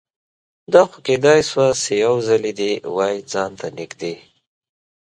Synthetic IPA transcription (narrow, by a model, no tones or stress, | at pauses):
d̪ɑxoked̪ɑjswasejawzaled̪ewɑjd͡zɑnt̪anɪkd̪e